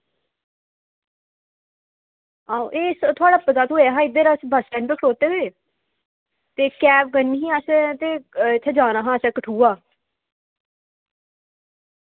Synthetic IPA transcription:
aːoʔeːst̪ʰʊaːɽaːpət̪aːt̪ʰoːaːɦaːɪd̪eːɾasbʱəsʈɛ̃ːnpeːkʰəɽoːt̪eːɦoeː | t̪eːkɛːp̚ɡənːiːɦĩːasɛt̪eːɪt̪ʰːeːd͡ʒãːnaːɦãːsɛkəʈʰuːaː

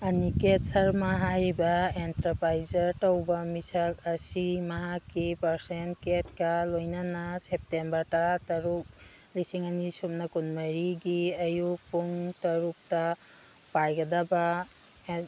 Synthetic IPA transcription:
ɐniket̚sɐɾmaɦajɾibaentɐɾpɾajzɐɾtɔwbamisakɐsimɐɦakipɐɾsentket̚kalojnanasep̚tembɐɾtatɐɾuk̚ | lisiŋɐnisup̚nakunmɐɾiɡiɐjuk̚puŋtɐɾuk̚ta | pajɡɐdaba

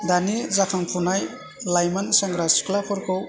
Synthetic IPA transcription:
danizakʰaŋpʰunaj | lajmansaŋɡɾasi̥klakʰɔɾkʰɯw

